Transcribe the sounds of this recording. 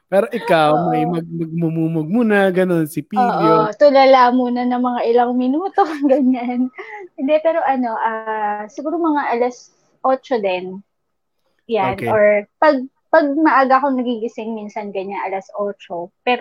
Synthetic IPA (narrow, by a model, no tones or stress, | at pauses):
pɛːɾoʔɪkawmɐjmɐɡ̚mɐɡ̚mumuːmoɡ̚muːnɐɡɐno̞nsɪpidʔ̪jot̪ʊlɐlamuːnɐnɐŋmɐŋaʔɪlɐŋmɪnuːt̪o̞ɡɐɲanhɪnd̪ɛpɛːɾo̞ʔɐno̞ʔasɪɡuːɾomɐŋaʔɐlɐs | ʔo̞ːt͡ʃo̞d̪ɛn | janʔoɹpɐɡ̚ | pɐɡ̚mɐʔaːɡakoŋnɐɡiɡɪsɪŋmiːnsɐnɡɐɲaŋʔɐlɐsʔo̞ːt͡ʃopɛːɾo